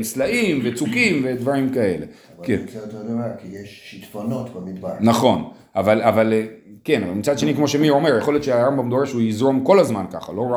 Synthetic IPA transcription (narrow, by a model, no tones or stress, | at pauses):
nslaimvet͡sukimve̞d̪vaʁimkae̞le | kḛnt̪ononakijeʃʃit̪fono̞t̪bemid̪banaχo̞n | avalavalke̞nava̰lmit͡sad̪ʃe̞nikmo̞ʃemio̞me̞ʁjeχo̞ljott͡ʃʃeaʁambamd̪oeʃeujizʁo̞mko̞lazmanka̰χa̰lo̞ʁa